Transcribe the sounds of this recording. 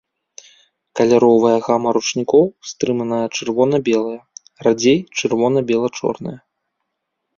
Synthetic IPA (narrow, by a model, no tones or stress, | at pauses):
kɐlʲaɾɔvɐjɐɣamɐɾut͡ʂnʲikɔwst̪ɾɨmɐnɐjɐt͡ʂɨrvɔnɐbʲɛlˠɐjɐ | rad͡zʲejt͡ʂɨrvɔnɐbʲɛlˠɐt͡ʂɔ̰rnɐ̰jɐ